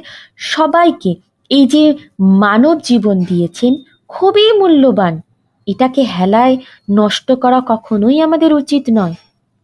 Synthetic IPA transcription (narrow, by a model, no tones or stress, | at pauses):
ʃɔbajke | ejd͡ʑemanobd͡ʑibond̪ijet͡ɕʰen | kʰubimulːoban | eʈakeɦɛlae | nɔʃʈokɔɾakɔkʰonojamad̪eɾut͡ɕit̪nɔe